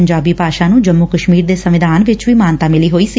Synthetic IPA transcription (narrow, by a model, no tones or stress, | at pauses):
ɲd͡ʒaːbiːpaːʃaːnũːd͡ʒəmːʊkəʃmiːɾd̪eːsəʋɪd̪ʱaːnʋɪt͡ʃʋiːmaːnt̪aːmɪliːɦoːiːsiː